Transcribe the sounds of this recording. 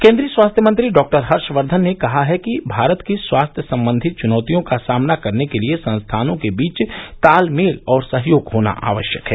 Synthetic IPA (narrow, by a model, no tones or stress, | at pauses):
kẽːnd̪ɾiəswaːst̪ʰjəmɐ̃nt̪ɾiɖɔːk̚ʈəɾɦɐɾʃʋəɾd̪ʱənːekɐɦaɦɛkibʱaːɾət̪kiswaːst̪ʰjəsɐ̃mbə̃nd̪ʱɪt̪̚t͡ʃʊnɔːt̪ijõkasaːmnakɐɾnekeliesɐ̃nst̪ʰaːnõkebiːt͡ʃt̪aːlmeːlɔːɾsɐɦjoːɡɦoːna̰ʔa̰ːʋəʃjəkɦɛː